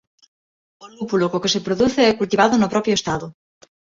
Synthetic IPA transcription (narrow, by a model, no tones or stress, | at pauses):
olupulokokesepɾoðuθeɛkult̪iβaðonopɾɔpjoest̪aðo